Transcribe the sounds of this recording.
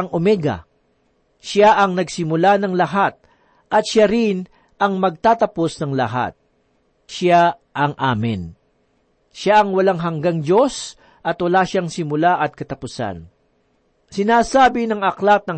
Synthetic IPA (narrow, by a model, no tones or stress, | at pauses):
ŋomɛɡɐ̰ | ʃaʔɐŋnɐɡsɪmʊlanɐŋlɐɦat̪̚ | ʔɐt̪̚ʃaɾɪn | ʔɐŋmɐɡ̚t̪aːt̪ɐpo̞snɐŋlɐɦa̰t̪̚ | ʃa | ʔɐŋʔaːmɪn | ʃaʔɐŋwɐlaŋɦɐŋɡaŋd͡ʒo̞s | ʔɐt̪wɐlaːʃaŋsɪmʊlaʔɐt̪̚kɐt̪ɐpʊsa̰n | sɪnaːsaːbɪnɐŋɐklat̪̚nɐŋ